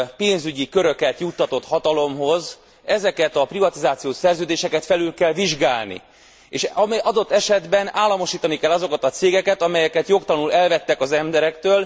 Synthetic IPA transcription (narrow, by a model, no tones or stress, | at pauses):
peːnzyɟikøɾø̞kɛt̪jut̪ːɒt̪o̞t̪hɒt̪ɒlo̞mɦo̞z | ɛzɛkɛt̪ɒprivɒt̪izaːt̪sijoːsɛrzøːd̪eːʃɛkɛt̪fɛlylkɛlviʒɡaːlnḭ | eːʃmɒd̪o̞t̪ːɛʃɛd̪bɛnaːlːɒmo̞ʃiːt̪ɒnikɛlːɒzo̞kɒt̪ɒt̪seːɡɛkɛt̪ɒmɛjɛkɛt̪jo̞kt̪ɒlnulɛlvɛt̪ːɛkɒzɛmbɛɾɛkt̪øːl